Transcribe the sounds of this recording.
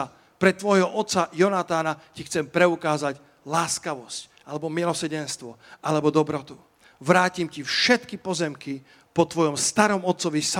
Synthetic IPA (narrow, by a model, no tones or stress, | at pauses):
pɾɛt̪ʋɔjɦɔʔɔt̪t͡sajɔnat̪aːnacixt͡sɛmpɾɛukaːzac | laːskaʋɔsc | alɛbɔmilɔsəɾɟɛnst̪ʋɔʔalɛbɔd̪ɔbɾɔt̪u | ʋɾaːcimcifʃɛt̪kipɔzɛmki | pɔt̪ʋɔjɔmst̪aɾɔmɔt̪t͡sɔʋisa